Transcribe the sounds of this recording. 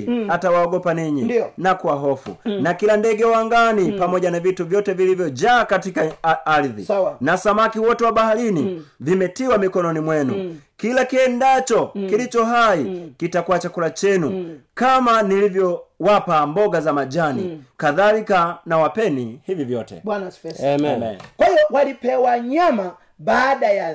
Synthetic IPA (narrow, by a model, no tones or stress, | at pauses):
hatawaɔɡɔpaniɲinakuwaɦɔfṵnakilandɛɡɛwaŋɡanipamɔɟanavituvjɔtɛvilivjɔd͡ʒakatikaaliðḭnasamakiwɔtɛwabahalinivimɛtiwamikɔnɔnimwɛnṵkilakiɛndat͡ʃɔkilit͡ʃɔɦaikitakwat͡ʃakulat͡ʃɛnukamanilivjɔwapambɔɡazamad͡ʒanḭkaðalikanawapɛnihivivjɔtɛ̰bwanaɛɛkwaiɔwalipɛwaɲama | baːdaja